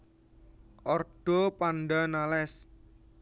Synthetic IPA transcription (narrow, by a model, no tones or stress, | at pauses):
ʔɔrɖ̥ɔpanɖanalɛs